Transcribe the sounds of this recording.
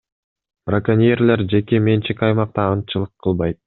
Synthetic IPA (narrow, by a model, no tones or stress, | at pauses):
b̥rakanʲijerleɾd͡ʒe̞kemʲe̞nt͡ʃikʲɑjmɑq̚t̪ɑːnt͡ʃɯlˠɯqʰːɯlˠβɑjt̪̚